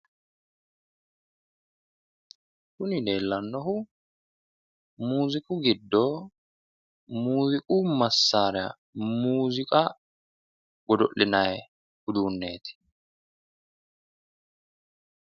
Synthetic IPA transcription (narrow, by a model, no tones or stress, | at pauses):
kʊnɪd̪eːlːɐnːɔhʊ | muːzɪkʼʊɡɪd̪ːoː | muːzɪkʼuːmɐsːaːɾɛɐ̰ | muːzɪkʼa | ɡ̥ɔd̪ɔʔɪnaj | ɡʊd̪uːnːe̞ːt̪ɪ̥